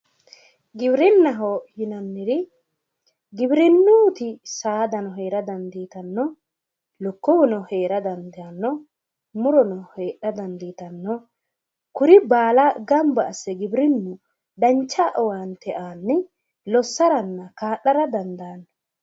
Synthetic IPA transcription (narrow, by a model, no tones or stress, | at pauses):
ɡɪbɾɪnːɐɦɔhɪnɐnːɪɾɪ | ɡɪbɪɾɪnːuːt̪ɪsaːd̪ɐnɔɦeːɾɐd̪ɐnd̪iːt̪ɐnːɔ | lɔkːɔwɔnɔhe̞ːɾɐd̪ɐnd̪ɐnːɔ | mʊɾɔnɔheːɗɐd̪ɐnd̪iːt̪ɐnːɔ | kʊɾɪbaːlɐɡɐmbɐːsːɛɡɪbɾɪnːu | d̪ɐnt͡ʃːaʔɔwaːnt̪ɛʔaːnːɪ | lɔsːɐɾɐnːɐkaːʔːɐɾɐd̪ɐnd̪aːnːɔ